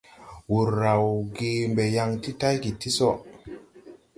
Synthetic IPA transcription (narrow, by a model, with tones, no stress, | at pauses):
wu˨ɾːa˨wɡe˨mbɛ˨ja˧ŋti˦ta˦jɡi˨tːi˦sɔ˦˨